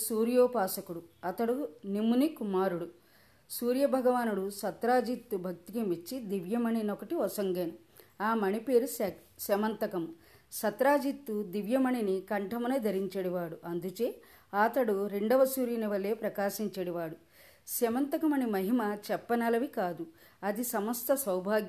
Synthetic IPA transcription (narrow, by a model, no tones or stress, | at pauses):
suːɾjoːpaːsɐkuɽuɐt̪ɐɽunimunikumaːɾuɽu | suːɾjɐbʱɐɡɐʋaːnuɽusɐt̪ɾaːd͡ʒit̪ːubʱɐk̚t̪ikemit͡ʃːid̪iʋjɐmɐninɔkɐʈiɔsɐŋɡenu | aːmɐnipe̞ːɾus | sɐmɐnt̪ɐkɐmu | sɐt̪ɾaːd͡ʒit̪ːud̪iʋjɐmɐɳinikɐɳʈʰɐmɐnɐd̪ʱɐɾiɲt͡ʃɐɽiʋaːɽuʔɐnd̪ut͡ʃeː | aːt̪ɐɽuɾeɳɖɐʋɐsuːɾjɐniʋɐlːe̞ːpɾɐkaːʃiɲt͡ʃɐɽiʋaːɽu | sɐmɐnt̪ɐkɐmɐnimɐɦimɐt͡ʃɛpːɐnɐlɐʋikaːd̪u | ɐd̪isɐmɐst̪ʰɐsɐwbʱaːɡjɐ